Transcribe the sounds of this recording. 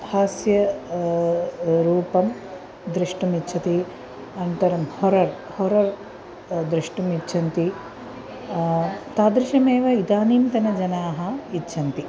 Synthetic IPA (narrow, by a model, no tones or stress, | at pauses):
haːsjɐ | ɾuːpɐm | d̪ɾiʂʈɐmitːt͡ʃʰɐt̪i | ɐnt̪ɐɾɐmhoɾɐɾ | hoɾɐɾ | d̪ɾiʂʈɐmitːʃʰɐnt̪i | t̪aːd̪ɾiʃɐmeːʋɐid̪aːniːnt̪ɐnɐd͡ʒɐnaːɦɐ̆itːʃʰɐnt̪i